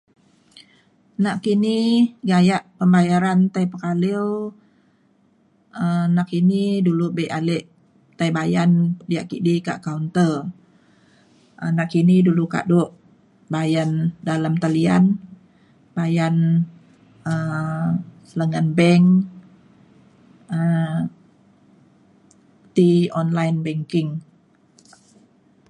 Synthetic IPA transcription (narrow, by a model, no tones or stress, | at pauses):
naʔkiniɡajaʔpəmbajaɾant̪ajpəkaliw | ənaʔkinidulubeʔalɛʔ | t̪ajbajandiaʔkḭʔdika̰ʔkaunt̪ər | ʔənaʔkiniduluka̰ʔdoʔ | bajandalamt̪alian | bajan | ə | sələŋanbɛŋ | ə | t̪iɔnlajnbɛŋkɪŋ